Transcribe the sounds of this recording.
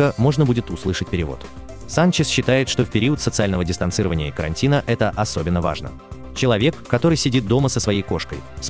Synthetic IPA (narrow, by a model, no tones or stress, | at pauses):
əmo̞ʐnəbudʲɪt̪ʊslˠɨʂətʲpʲɪɾʲɪvo̞̰t̪ | sant͡ɕɪsɕːɪt̪ajɪt̪ʂt̪o̞fpʲɪɾʲiət̪sət̪sɨalʲnəvədʲɪst̪ɐnt̪sɨɾəvənʲɪjəɪkəɾɐ̰nʲtʲinəʔɛt̪əʔɐso̞bʲɪnːəva̰ʐnə̰ | t͡ɕɪlˠɐvʲe̞kːɐt̪o̞ɾɨjsʲɪdʲit̪̚d̪o̞məsəsvɐjejko̞ʂkə̰js